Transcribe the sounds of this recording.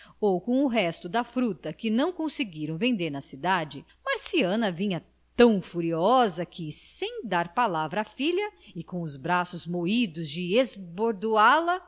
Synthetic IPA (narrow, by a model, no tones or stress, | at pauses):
owkõw̃ʊɦɛst̪ʊd̪ɐfɾut̪ɐkɪnɐ̃w̃kõsɪɡiɾɐ̃w̃vẽnd̪eɾnɐsid̪ad͡ʒɪ | maɾsiɐ̃nɐvĩɲɐ | t̪ɐ̃w̃fuɾiɔzɐkʰɪsẽj̃d̪aɾpalavɾɐːfiʎɐɪkõʊzbɾasʊzmoid̪ʊzd͡ʒɪezboɾd̪ualɐ